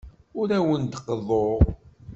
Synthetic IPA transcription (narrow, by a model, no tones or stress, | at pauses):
ʊɾæwənd̪qːəðˤoʁ